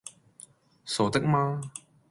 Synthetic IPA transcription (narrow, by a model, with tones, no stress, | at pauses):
so˨˩t̪ə˦˥k̚maː˦˥